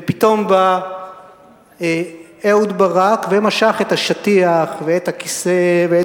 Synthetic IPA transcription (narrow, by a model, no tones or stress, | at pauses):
vepit̪o̞mba | eud̪baʁakvemaʃaχet̪haʃat̪iaχveet̪akisevee